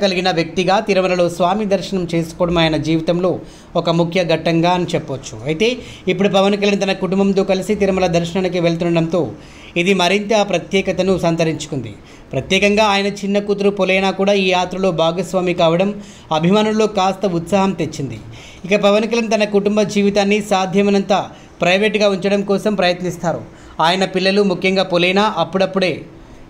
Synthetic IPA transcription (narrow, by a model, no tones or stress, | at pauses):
kɐliɡinɐʋjɐk̚t̪iɡaːt̪iɾɐmɐlɐlo̞ːsʋaːmid̪ɐɾʃɐɳɐmt͡ʃe̞ːsu̥kɔːɽɐmaːjɐnɐd͡ʒiːʋit̪ɐmlo̞ː | ɔkɐmukʰjɐɡɐʈːɐŋɡaːɐnit͡ʃɛpːot͡ʃːu̥̰ɐjt̪e̞ː | ipːuɽupɐʋɐnkɐljɐnit̪ɐnɐkuʈumbɐmt̪o̞ːkɐlisit̪iɾɐmɐlɐd̪ɐɾʃɐnɐnik̬iʋeɭt̪̬unːɖɐɽɐmt̪o̞ː | id̪imɐɾint̪ɐpɾɐt̪jɛːkɐt̪ɐnusɐnt̪ɐɾiɲt͡ʃu̥kund̪ḭ | pɾɐt̪jɛːkɐŋɡaːaːjɐnɐt͡ʃinːɐkut̪̬ɾupolɛjnaːkuːɽaːiːjaːt̪ɾɐlo̞ːbʱaːɡɐsʋaːmikaːʋɐɽɐm | ɐbʱimaːnulːo̞ːkaːst̪ɐut̪saːɦɐmt̪e̞t͡ʃːind̪ḭ | ikɐpɐʋɐnkɐlɐnit̪ɐnɐkuʈumbɐd͡ʒiːʋit̪aːnːisaːd̪ʱjɐmɐnɐnt̪ɐ | pɾɐjʋeːʈɡaːuɲt͡ʃɐɽɐmkɔːsɐmpɾɐjɐt̪nist̪aːɾṵ | aːjɐnɐpilːɐlumukʰjɐŋɡaːpolɛjnaːʔɐpːuɽɐpːuɽe̞ː